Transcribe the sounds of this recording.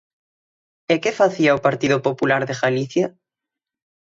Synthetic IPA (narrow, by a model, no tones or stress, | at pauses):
ekefaθiaopaɾt̪iðʊpopulaɾðeɣaliθja